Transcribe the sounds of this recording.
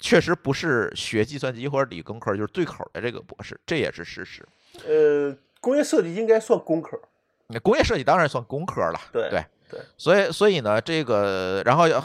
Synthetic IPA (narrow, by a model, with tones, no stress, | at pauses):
t͡ɕʰɥɛ˥˩ʂɻ̩˧˥pu˧˥ʂɻ̩˥˩ɕɥɛ˧˥t͡ɕi˥˧swa˥˩nt͡ɕi˥xwɔ˥˧˩ʈ͡ʂ̩˧˥lḭ˨˩kʊ˥ŋkʰt͡ɕjo˧ʂ̩˥˧t͡swe˥˩kʰo˨˩ʊd̪ə̰˦ʈ͡ʂɤ˥˩ɡə̰˩pwɔ̰˧˥ʂɻ̩˥˩ʈ͡ʂɤ˥˩jɛ̰˨˩ʂɻ̩˥˧ʂɻ̩˥˩ʂɻ̩˧˥ | ə˧ | kʊ˥ŋjɛ˥˧ʂɤ˥˧t͡ɕi˥˩i˥ŋka˥ɪswa˥˩nkʊ˥ŋkʰə˧˩˥ | ə˧˩kʊ˥ŋjɛ˥˧ʂɤ˥˧t͡ɕi˥˩t̪ɑ˥ŋɻa˧˥nswa˥˩nkʊ˥ŋkʰɤ˥lɐ̰˨˩t̪we˥˧we˥˩ɪ | wswɔ˧˥˧swɔ˧˥i˨˩nə˦ʈ͡ʂɤ˥˩ɡə˩ɻa̰˧˥nxo˥˧ʊ˧